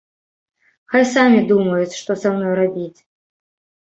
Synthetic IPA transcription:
xajsamʲid̪umɐjut͡sʲʂt̪ɔsamnɔjrabʲit͡sʲ

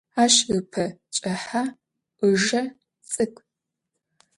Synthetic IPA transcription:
aːʃɨpʰɐt͡ʃʼɐħaː | ʔʷɨʒɐ | t͡sʼɨkʷʼ

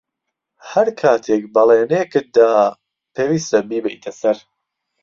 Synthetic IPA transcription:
hɐɾkʰaːt̪ʰeːk̚bɐleːnekɨt̪̚d̪aː | pʰeːwiːst̪ɐbiːbɛjt̪ʰɐsɐɾ

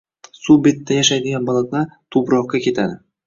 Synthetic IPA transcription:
sube̞t̪ːajaʃajd̪ɪɡʲanbɒlˠat̪laɾt̪ʰʊbɾɒqkakʲʰe̞t̪ʰad̪ɪ

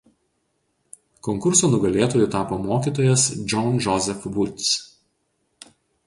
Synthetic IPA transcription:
kɔŋkʊɾsoːnʊɡɐlʲeːt̪oːjʊt̪ɑːpoːmoːkʲiːˑt̪oːjɛsd͡ʒʲɔnʒɔzʲɛfʋʊt̪ʲs

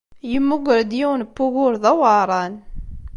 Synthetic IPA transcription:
jəmːʊɡʷəɾd̪jiwnpːʊɣʊɾðæwɑɾˤɑn

